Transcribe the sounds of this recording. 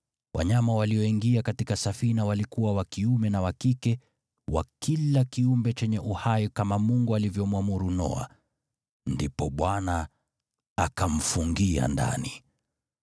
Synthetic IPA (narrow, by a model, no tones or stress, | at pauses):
wʔa̰ɲamawaliɔiŋɡiakatikasafinawalikuwawakiumɛnawakikɛ | wa̰kilakiumbɛt͡ʃɛɲɛʔuhajikamamuŋɡualivjɔmwamuɾunɔ̰a̰ | ndipɔɓwana | akam̩fuŋɡia̰nda̰ni